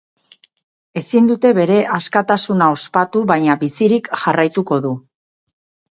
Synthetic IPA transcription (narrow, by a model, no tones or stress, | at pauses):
e̞sind̪ut̪e̞βe̞ɾe̞ʔaskat̪asunao̞spat̪uβajɲaβisiɾikʝarajt̪uko̞ðu